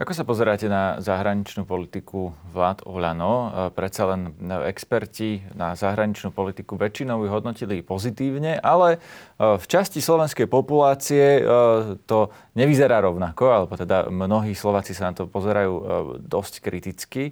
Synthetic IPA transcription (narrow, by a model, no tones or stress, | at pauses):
ʔakɔsapɔzɛɾaːcɛnazaɦɾaɲit͡ʃnuːpɔlit̪ikuʋlaːt̪ɔʎanɔpɾɛt̪t͡salɛnɛkspɛɾcinazaɦɾaɲit͡ʃnuːpɔlit̪ikuʋɛt͡ʃinɔʊjɦɔd̪nɔcilipɔzit̪iːʊɲɛʔalɛft͡ʃascislɔʋɛnskɛjpɔpulaːt͡siɛ | t̪ɔ | ɲɛʋizɛɾaːɾɔʊnakɔalɛbɔt̪ɛd̪a̰mnɔɦiːslɔʋaːt͡sisanat̪ɔpɔzɛɾajuːd̪ɔsckɾit̪it͡ski